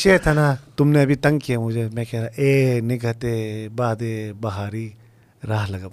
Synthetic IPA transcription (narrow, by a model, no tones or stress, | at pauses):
set̪ʰanat̪ʊmneɐbit̪ɐŋkijamud͡ʒemɛ̃kʰeɾaʔeniɡʱɐt̪ebaːd̪ebɐɦaɾi | ɾaɦlɐɡɐp̚